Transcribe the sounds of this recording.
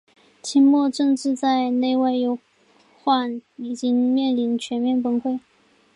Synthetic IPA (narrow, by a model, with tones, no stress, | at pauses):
t͡ɕʰi˥nmwɔ˥˧ʈ͡ʂɤ˥˧ŋʈ͡ʂɻ̩˥˧t͡sa˥˧ɪne˥˧ɪwa˥˩ɪjo˧˥ʊ | xwa˥˩ni˨˩t͡ɕi˥ŋmjɛ˥˩nli˧˥nt͡ɕʰɥɛ˧˥nmjɛ˥˩npə˥nxwe˥˩ɪ